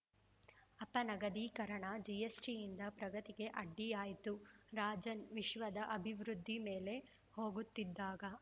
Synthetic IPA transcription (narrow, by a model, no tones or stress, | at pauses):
ɐpːɐnɐɡɐd̪iːkɐɾɐɳɐd͡ʒijesʈijind̪ɐpɾɐɡɐt̪iɡe̞ʔɐɖːijaːjt̪uɾaːd͡ʒɐnʋiʃʋɐd̪ɐʔɐbʱiʋɾud̪ʱːime̞ːle̞ | ho̞ːɡut̪ːid̪ːaːɡɐ